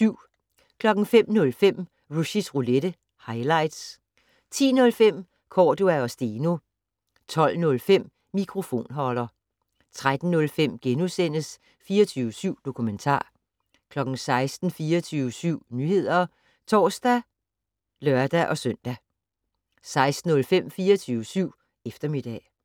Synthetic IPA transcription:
yʊ̰ | kʰlɒ̽ɡ̥ŋ̩fem̰nɔ̽lfem̰ | ʁuɕisʁuleɾ̥ə | hɑ̈ɪlɑ̈ɪd̥s | t͡sʰḭːnɔ̽lfem̰ | kʰɒːd̥uæɒ̽sd̥eːno̝ | t͡sʰɒ̽l̰nɔ̽lfem̰ | mikʰʁo̝fo̝̰ːnɦɒ̽lɐ | t͡sʰʁad̥n̩nɔ̽lfem̰ɡ̥enusen̰əs | fiːɐt͡sʰyːʊəsyʊ̰d̥o̝kʰument͡sʰɑ̰̈ː | kʰlɒ̽ɡ̥n̩sɑ̈ɪsd̥n̩fiːɐt͡sʰyːʊəsyʊ̰nyːhe̝ð̞̰ˠɐ | t͡sʰɒ̰ːsd̥æ | lɶɐd̥æʔɒ̽sœn̰d̥æ | sɑ̈ɪsd̥n̩ɔ̽lfem̰fiːɒt͡sʰyːʊəsyʊ̰ | efd̥ɐmid̥ɛ̰

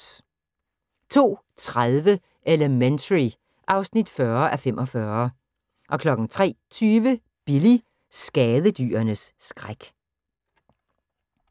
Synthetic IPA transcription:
t͡sʰo̝̰ː | t͡sʰʁaðˠʋə | ʔeləment͡sʰəʁi | ʔɑ̈ʊsnid̥fɶɐʔæfemʔɒ̽fɶːɐ | ʔɒ̽kʰlɒ̽ɡ̥n̩t͡sʰʁɛ̰ːt͡sʰyːʋə | b̥ili | sɡ̥ɛːðˠəd̥y̰ːɐnəsːɡ̥ʁaɡ̥

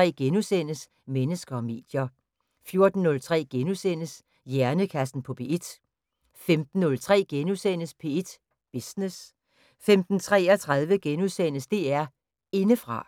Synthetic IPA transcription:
ɛ̰ːɡ̥enusen̰əs | menəsɡ̥ɐɒ̽me̝̰ːd̥jɐ | fjo̝ɐd̥n̩ːɔ̽lt͡sʰʁɛ̰ːɡ̥enusen̰əs | jæɐnəkʰæsn̩pʰɒ̽pʰe̝̰ed̥ | femd̥n̩ːɔ̽lt͡sʰʁɛ̰ːɡ̥enusen̰əspʰe̝ed̥ | b̥isnes | femd̥n̩t͡sʰʁɛ̰ːɒt͡sʰʁɑðˠʋəɡ̥enusen̰əsd̥e̝̰ːæɐ | e̝nəfʁɑ̈

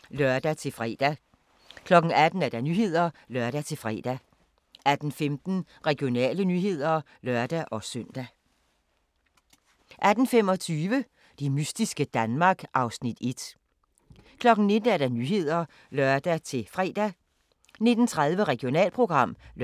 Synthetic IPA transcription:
lœɐd̥æt͡sʰe̝lfʁɛ̰d̥æ | kʰlɒ̽ɡ̥n̩æd̥n̩æɐd̥ɑ̈nyːɦe̝ð̞̰ˠɐlœɐɾ̥æt͡sʰe̝lfʁɛ̰ːd̥æ | ʔæd̥n̩femd̥n̩ | ʁɛɡ̥ijo̝nɛ̰ːlənyːɦe̝ð̰ˠɐ | lœɐd̥æʔɒ̽sœn̰d̥æ | ʔæd̥n̩fem̰ɒ̽t͡sʰyːʋə | d̥e̝mysd̥isɡ̥əd̥ænmɑ̈ːɡ̥ʔɑ̈ʊsnid̥e̝d̥ | kʰlɒ̽ɡ̥n̩ne̝d̥n̩æɐɾ̥ɑ̈nyːɦe̝ð̞̰ˠɐ | lœɐd̥æt͡sʰe̝fʁɛ̰ːd̥æ | ne̝d̥n̩t͡sʰʁaðˠʋəʁɛɡ̥io̝nɛ̰ːlpʰʁo̝ɡ̥ʁɑ̈m̰l

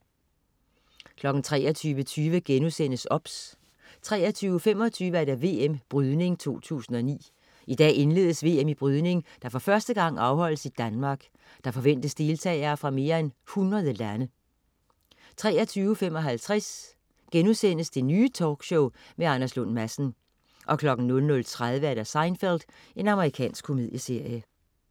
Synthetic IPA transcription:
kʰlɒ̽ɡ̥n̩t͡sʰʁɛ̰ːɐt͡sʰyːʋət͡sʰyːʋəɡ̥enusen̰əsɒ̽b̥s | t͡sʰʁɛːɐt͡sʰyːʊfem̰ɒ̽t͡sʰyːʋəæɐɾæʋe̝ːemb̥ʁyð̞ˠne̝ŋt͡sʰo̝̰ːt͡sʰṵːsn̩ɒ̽nḭː | id̥ɛ̰ːe̝nle̝ːð̞ˠəsʋe̝̰ːemib̥ʁyðˠne̝ŋd̥ɑ̈fɒ̽fɶɐsd̥əɡ̥ɑ̈ŋ̰ɑ̈ʊhɒ̽l̰əsid̥ænmɑ̈ːɡ̥ | d̥ɑ̈fɒ̽ʋen̰d̥əsd̥e̝ːlt͡sʰɛ̰ːɪɐːfʁɑ̈me̝ːɐenhunʁɐðˠəlænə | t͡sʰʁɛːɐt͡sʰyːʊfem̰ɒ̽ɦælt͡sʰʁɛs | ɡ̥enusen̰əsd̥e̝nyːt͡sʰɒːɡ̥ɕɔʊmeɑnæslɔnmæsn̩ | ʔɒ̽kʰlɒ̽ɡ̥n̩nɔ̽lnɔ̽lt͡sʰʁað̞ˠʋəæɐd̥æsɑ̈ɪnfeld̥ | e̝nɑ̈məʁikʰɛ̰ːnsɡ̥kʰːo̝miðˠjəse̝ɐ̰jə

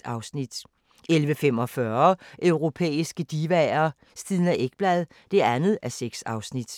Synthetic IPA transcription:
ɑ̈ʊsnid̥ | elʋəfemɒ̽fɶɐʔœʊʁo̝pʰḛːisɡ̥əd̥iʋæɐː | sd̥iðˠnæʔeɡ̥̚b̥lɛðˠ | d̥e̝ænð̞̩ˠæseɡ̥sɑ̈ʊsnid̥

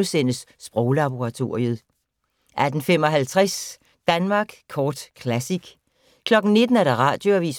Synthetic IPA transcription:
sen̰əsːb̥ʁɔʊlɑ̈b̥oʁɑ̈t͡sʰo̝ɐ̰iəð̞̩ˠ | ʔæd̥n̩fem̰ɒ̽ɦælt͡sʰʁas | d̥ænmɑ̈ːɡ̥kʰɒːd̥kʰlæsiɡ̥ | kʰlɒ̽ɡ̥n̩ne̝d̥n̩æɐɾ̥ɑ̈ʁɑ̰̈ːd̥jo̝æʋḭːs

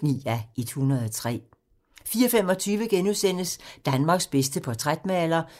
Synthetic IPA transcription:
nḭːæed̥hunɐð̞ˠɒt͡sʰʁɛ̰ː | fiːɒfem̰ɒ̽t͡sʰyːʋəɡ̥enuðˠsen̰əsd̥ænmɑ̈ɡ̥sb̥esd̥əpʰɒ̽t͡sʰʁad̥mæælɐ

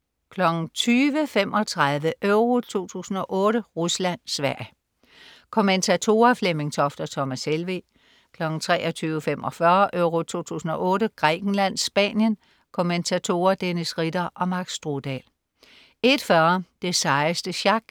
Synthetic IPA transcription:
kʰlɒ̽ɡ̥n̩t͡sʰyːʋəfem̰ʔɒ̽t͡sʰʁaðˠʋəʔøʊʁo̝t͡sʰo̝̰ːt͡sʰṵːsn̩ɒ̽ʔɔ̽ːɾəʁuslæn̰sʋæɐ̰j | kʰoment͡sʰæt͡sʰo̝ːɐfleme̝ŋt͡sʰɒ̽fd̥ɐt͡sʰɒ̽mæselʋe | kʰlɒ̽ɡ̥n̩t͡sʰʁɛ̰ːʔɒ̽t͡sʰyːʋəfemɒ̽fɶɐʔøʊʁo̝t͡sʰo̝̰ːt͡sʰṵːsn̩ɒ̽ʔɔ̽ːɾəɡ̥ʁɛ̰ːɡ̥n̩læn̰sb̥ɛ̰ːnjən | kʰo̝ment͡sʰæt͡sʰo̝̰ːɐd̥enəsʁid̥ɐʔɒ̽mɑ̈ɡ̥sd̥ʁod̥ɛ̰l | e̝d̥fɶɐd̥e̝sɑ̈ɪsd̥əɕɑ̈ɡ̥

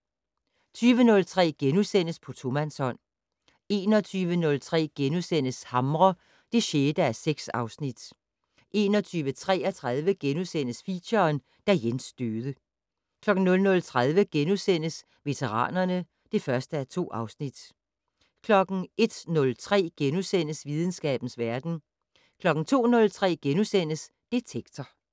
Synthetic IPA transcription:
t͡sʰyːʋənɔ̽lt͡sʰʁɛ̰ːɡ̥enusen̰əspʰɒ̽t͡sʰo̝mænsɒ̽n̰ | e̝̰ːnɒt͡sʰyːʋənɔ̽lt͡sʰʁɛ̰ːɡ̥enusen̰əshɑ̈mʁɐ | d̥e̝ɕeːd̥əæɐseɡ̥sɑ̈ʊsnid̥ | ʔe̝̰ːnɒ̽t͡sʰyːʋət͡sʰʁɛ̰ːɐt͡sʰʁaðˠʋəɡ̥enusen̰əsfḭɕɐːn | d̥æjensd̥øːðˠə | kʰlɒ̽ɡ̥n̩nɔ̽lnɔ̽lt͡sʰʁað̞ˠʋəɡ̥enusen̰əs | ʋe̝t͡sʰeʁɑ̰̈ːnɐnə | d̥e̝fɶɐsd̥əæɐt͡sʰo̝̰ːɑ̈ʊsnid̥ | kʰlɒ̽ɡ̥n̩ʔe̝d̥nɔ̽lt͡sʰʁɛ̰ːɡ̥enusen̰əsʋið̞ˠn̩sɡ̥ɛ̰ːb̥n̩sʋæɐd̥n̩ | kʰlɒ̽ɡ̥n̩t͡sʰo̝̰ːnɔ̽lt͡sʰʁɛ̰ːɡ̥enusen̰əs | d̥e̝t͡sʰeɡ̥t͡sʰɐ

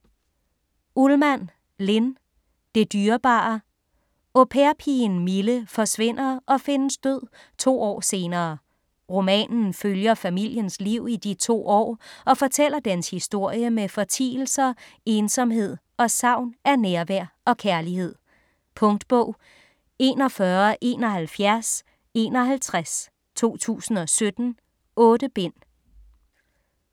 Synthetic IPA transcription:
ulmæn | le̝n | d̥e̝d̥yːɐb̥ɑ̈ | o̝pʰeɐpʰinmiləfɒ̽sʋe̝n̰ɐʔɒ̽fe̝nəsd̥øð̰ˠ | t͡sʰo̝̰ːɒ̰ːse̝ːnɐː | ʁo̝mɛ̰ːnn̩føljɐfæmil̰jənsliʊ̰id̥it͡sʰo̝̰ːɒ̰ːɒ̽fɒ̽t͡sʰel̰ɐd̥ænshisd̥o̝ɐ̰jəmefɒ̽t͡sʰḭːl̩sɐe̝ːnsɒ̽mɦe̝ð̞̰ˠ | ɒ̽sɑ̈ʊ̰nʔænæɐʋæɐ̰ɒ̽kʰæɐlihe̝ð̰ˠ | pʰɔ̽ŋd̥b̥ɔʊ̰ | e̝ːnɒ̽fɶɐʔe̝̰ːnɒ̽ɦælfjæɐs | e̝ːnɒ̽ɦælt͡sʰʁas | t͡sʰo̝̰ːt͡sʰṵːsn̩ɒ̽sød̥n̩ | ɔ̽ːd̥əb̥en̰

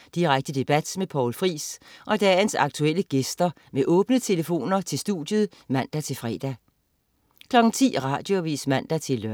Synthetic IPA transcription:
d̥iʁaɡ̥̚d̥əd̥e̝b̥æd̥mepʰɒʊlfʁḭːsʔɒ̽d̥ɛːnsɑ̈ɡ̥̚t͡sʰuel̰əɡ̥esd̥ɐ | meʔɔ̽ːb̥nət͡sʰe̝ləfo̝̰ːnɐt͡sʰe̝sd̥ṵd̥jəð̩ˠ | mæn̰d̥æt͡sʰe̝lfʁɛ̰ːd̥æ | kʰlɒ̽ɡ̥n̩t͡sʰḭːʁɑ̈d̥jo̝ʋḭːsmæn̰d̥æt͡sʰe̝lːø

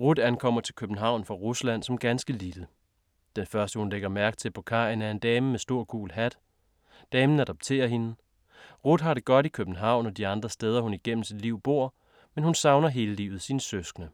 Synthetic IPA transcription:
ʁud̥ænkʰɒ̽m̰ɐt͡sʰe̝lkʰøb̥n̩ɦɑ̈ʊ̰nfʁɑ̈ʁuslæn̰sɒ̽mɡ̥ænsɡ̥əlil̥ə | d̥enfɶɐsd̥əhunleɡ̥ɐmæɐɡ̥̚t͡sʰe̝bpʰokʰɑ̰̈enæɐe̝nd̥ɛːməmesd̥o̝ɐ̰ɡ̥ṵːlɦæd̥ | d̥ɛːmn̩æd̥ɒ̽b̥̚t͡sʰe̝̰ːɐɦe̝nə | ʁud̥ɦɑ̈ɾe̝ɡ̥ɒ̽ɾ̥ikʰøb̥n̩ɦɑ̈ʊ̰nɒ̽d̥iɑ̈nd̥ʁɐsd̥eːð̞ˠɐhuniɡ̥en̰m̩sid̥liʊ̰b̥o̝ɐ̰ | menhunsɑ̈ʊnɐɦe̝ːləlḭːʊð̩ˠsinəsøsɡ̥nə

